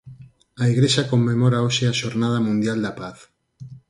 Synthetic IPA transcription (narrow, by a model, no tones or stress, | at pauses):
aiɣɾeʃakomːemoɾaoʃeaʃoɾnað̞amũnd̪jald̪apaθ